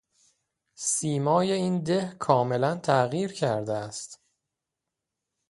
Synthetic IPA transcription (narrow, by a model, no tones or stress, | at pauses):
siːmɒːje̞iːnd̪ehkʰɒːme̞lænt̪ʰæɣiːɾcʰæɾd̪eæst̪